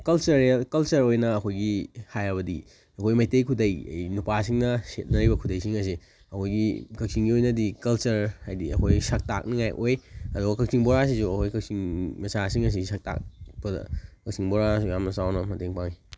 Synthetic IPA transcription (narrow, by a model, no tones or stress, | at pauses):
kɐlt͡ʃɐɾːlkɐlt͡ʃɐɾojnɐːkʰojɡihajɐβɐdḭ | ɐkʰojmɐjtejkʰudɐjɐ̰jnupasiŋnɐset̚nɐɾibɐkʰudɐjsiŋɐs̬i | ɐkʰojɡikɐk̚siŋɡiojnɐdikɐlt͡ʃɐɾhajdiɐ̰kʰojsɐk̚ta̰k̚niŋajʔojɐduɡɐkɐk̚sʰiŋboɾas̬isuɐkʰojkɐk̚siŋmɐsasiŋɐs̬isɐk̚ta̰k̚pdɐ̰kɐk̚siŋboɾasujamnɐsawnɐmɐteŋpaŋi